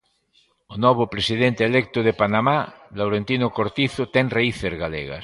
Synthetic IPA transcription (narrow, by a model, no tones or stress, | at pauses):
onɔβ̞opɾesiðent̪eeːlek̚t̪oðepanamalawɾent̪inokoɾt̪iθot̪ɛŋreiθezɣalḛɣa̰s